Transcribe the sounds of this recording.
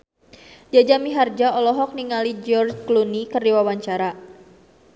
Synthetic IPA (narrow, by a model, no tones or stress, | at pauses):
d͡ʒad͡ʒamiɦard͡ʒaɔlɔɦɔk̚niŋalid͡ʒɔrd͡ʒklunikərdiwawaɲt͡ʃaɾa